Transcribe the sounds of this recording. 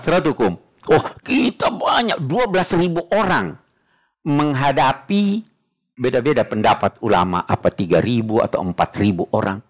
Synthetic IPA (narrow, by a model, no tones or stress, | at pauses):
t̪ɾat̪ukʊm | ɔhkit̪abaɲak̚duabəlasribuʔoɾaŋ | məŋɦadapi | bedabedapəndapat̪̚ula̰ma̰ʔapat̪iɡaɾibua̰t̪awəmpat̪ribuʔoɾa̰ŋ